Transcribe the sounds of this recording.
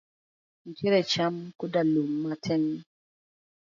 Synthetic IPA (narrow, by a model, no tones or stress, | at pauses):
n̩teɾɛt͡ʃamkudalumːatʰɛn